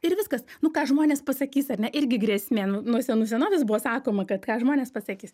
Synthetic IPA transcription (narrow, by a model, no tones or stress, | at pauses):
ɪɾʋʲɪskɐsnʊkɑːʒmoːnʲeːspɐsɐkʲiːsɐɾʲnʲɛʔɪɾʲɡʲɪɡɾʲɛsʲmʲeːnʊnuɔsʲɛnuːsʲɛnoːʋʲɪsbʊʋoːsɑːkoːmɐkɐt̪kɑːʒmoːnʲeːspɐsɐkʲiːs